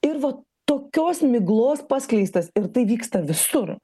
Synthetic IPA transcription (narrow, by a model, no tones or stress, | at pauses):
ɪɾʋɐ | t̪oːkʲoːsmʲɪɡlˠoːspɑsklʲɛɪst̪ɐsɪɾt̪ɐɪʋʲiːkst̪ɐʋʲɪsʊr